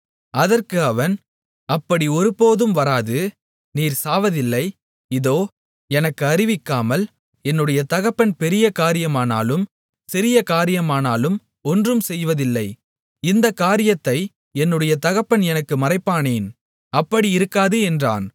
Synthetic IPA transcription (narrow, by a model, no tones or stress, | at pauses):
ɐðɐrkɯɐʋɐn | ɐpːɐɽiɔɾɯpːoːðɯmʋɐɾaːðɯ | niːɾsaːʋɐðɪlːɐɪ | ɪðoː | ɛnɐkːɯɐɾɪʋɪkːaːmɐl | ɛnːɯɽɐjɐt̪ɐɣɐpːɐnpɛɾɪjɐkaːɾɪjɐmaːna̰ːlɯm | sɪɾɪjɐkaːɾɪjɐmaːnaːlɯm | ɔndrɯmsɛjʋɐðɪlːɐɪ | ɪnd̪ɐkaːɾɪjɐt̪ːɐɪ | ɛnːɯɽɐjɐt̪ɐɣɐpːɐnɛnɐkːɯmɐɾɐɪpːaːneːn | ɐpːɐɽiɪɾɯkːaːðɯɛndra̰ːn